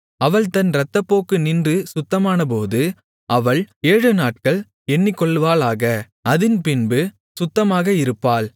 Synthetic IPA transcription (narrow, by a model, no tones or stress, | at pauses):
ɐʋɐɭt̪ɐnɾɐt̪ːɐpːoːkɯnɪndrɯsʊt̪ːɐmaːnɐp̬oːðɯ | ʔɐʋɐɭeːɻɯnaːʈ̚kɐɭ | ɛnːɪkːɔɭːʋaːlaːɣɐ | ɐðɪnpɪnbɯ | sʊt̪ːɐmaːɣɐɪɾɯpːaːl